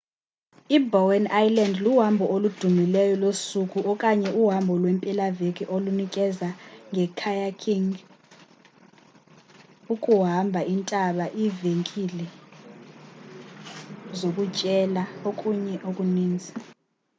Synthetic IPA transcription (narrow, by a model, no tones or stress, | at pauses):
ibɔwɛnajlɛndluɦambʱɔʔolud̥ʱumilɛjɔlosuk̬ʼuʔɔkʼaɲɛʔuɦambʱɔlwɛmpʼilavek̬ʼiʔolunikʼɛzaŋɛkʰajakʰiŋ | ukʼuɦambʱaʔintʼaɓaʔiveŋkʼilɛ | zok̬ʼut͡ʃʼɛlaokʼuɲɛʔokʼuniːnd͡zʱa